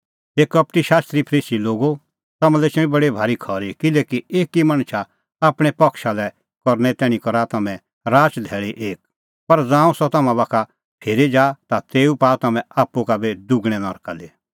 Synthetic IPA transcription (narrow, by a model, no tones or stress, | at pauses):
eːkɐp̚ʈ̪iʃaːst̪ɾipʰɐɾiːsiloːɡo | t̪ɐmãlɛt͡ʃĩbɐɽibʱaːɾikʰɔːɾikɪleːkieːkimaɽ̃ʃʰa | aːpɽ̃ɛpɐkʃalɛ | kɔɾñɛt̪ɛːɽ̃ĩkɔɾat̪ɐmɛ̃ | ɾaːt͡ʃd̪ʱɛːɭiʔeːk̚ | pɐɾd͡zãːũsɔt̪ɐmãbaːkʰa | pʰeːɾid͡ʒaːt̪at̪eːupaːt̪ɐmɛ̃aːpːukabed̪ʊɡɽ̃ɛnɔɾkale